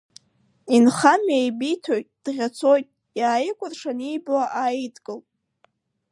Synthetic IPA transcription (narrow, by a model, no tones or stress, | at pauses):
inχamejbijtʰo̞jtʼd̥ʁʲat͡sʰo̞jtʼ | jaːjɪkʷʼʊrʂanijblaʔaitʰʼkʼɨlʼ